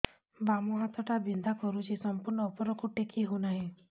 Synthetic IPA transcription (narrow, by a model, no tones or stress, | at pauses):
bamɔɦat̪ʰɔʈabind̪ʱakɔɾut͡ʃʰisɔmpuɾɳɔːpɔɾɔkuʈekʰiɦonaɦĩ